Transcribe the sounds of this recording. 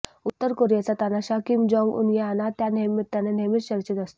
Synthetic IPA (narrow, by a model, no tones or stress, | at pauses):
ut̪ːəɾkoɾijat͡sat̪anaɕakimd͡ʑɔ̃ŋɡṵnjaanat̪janemit̪ːanenemit̪ɕəɾt͡ɕet̪ast̪o̥